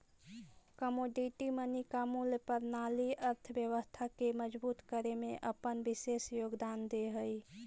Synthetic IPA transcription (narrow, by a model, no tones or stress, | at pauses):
kəmoːɖiʈimənikamuljəpəɾnaliəɾt̪ʰəbjəʋəst̪ʰakeməd͡ʒbuːt̪kəɾemẽʔəpənbɪseːsjoːɡd̪aːnd̪eɦəi